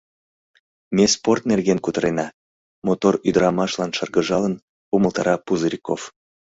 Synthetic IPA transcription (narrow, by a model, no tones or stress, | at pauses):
mesport̪nerɣenkut̪əɾenɑ | mot̪oryd̪əɾɑmɑʃlɑnʃɑrɣəʒɑlən | uməlˠt̪ɑ̰ɾɑpuzɾʲiko̰f